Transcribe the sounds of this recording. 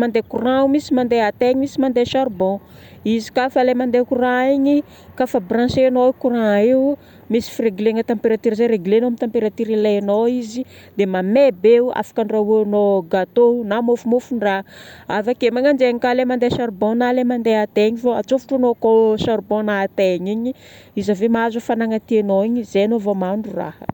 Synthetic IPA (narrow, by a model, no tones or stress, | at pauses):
mand̪ekurãumisimand̪eat̪eɲimisimand̪eʃaɾbɔ̃ | izi̥kafalemand̪ekuɾãeɲi | kafabrãsenokuɾãeu | misi̥fiɾeɡileŋət̪ampeɾat̪iɾzeɾeɡilenoamit̪ampeɾat̪iɾilenoizid̪emamebea̰fḁkaɳɖ͡ʐauanoɡat̪onamofumufuɳɖ͡ʐaavakemaŋand͡ʒeŋkalemand̪esaɾbonalemand̪eat̪eɲivoa̰t͡sofu̥ʈ͡ʂanokosaɾbonat̪eɲiɲi | izavemaazufanaŋat̪ienoiɲizenovomaɳɖ͡ʐura̰hə̰